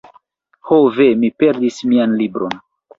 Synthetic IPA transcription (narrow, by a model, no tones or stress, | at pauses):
hovemipe̞ɾdismianlibɾo̞n